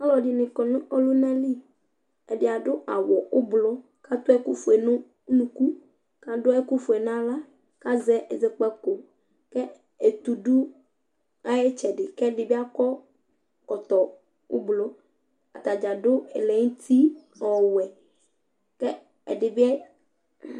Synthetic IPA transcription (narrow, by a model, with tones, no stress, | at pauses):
a˦lɔ˨di˨nɪ̃˨kɔ˨nũ˦ɔ˦lu˦nã˦li˦ | ɛ˨dɪ˨a˨ɖʊ˦ʔa˨wɔ˨o˦blɔ˦ | ka˦t̪o˦ɛ˦ku˦fo˨e˨nʊ̃˦ | nũ˨ku˦ | ka˦dʊ˦ɛ˦ku˦fo˨e˨nã˦la˦ | ka˦zɛ˦e˨ze˦k͡pɛ˦ko˨ | kɛ˦ | e˨t̪u˨ɖu˦ | a˦je˦t͡ʃɛ˨ɖɪ˨kɛ˦ɖɪ˨bi˦a˦kɔ˦ | ɔ˨t̪ɔ˨ | wo̰˦blɔ˦ | a̰˨t̪a˨d͡ʒa˨dʊ˦e˨lɛ˨ŋũ˦t̪ʰi˦ | ɔ˨wɛ˨ | kɛ˦ | ɛ̰˨ɖɪ˨bi˦ɛ˦